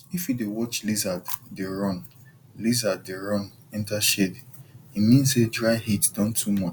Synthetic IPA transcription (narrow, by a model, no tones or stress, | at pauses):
ifjidewɔt͡ʃlizaddeɹɔ̃n | lizaddeɹɔ̃n | ɛ̃ntaʃediimĩnsedɹaɪhitdɔ̃ntʰumɔt͡ʃ